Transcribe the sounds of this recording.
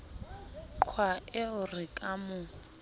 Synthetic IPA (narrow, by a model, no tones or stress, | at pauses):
ǃkʰwaɪʊrɪkʼamʊ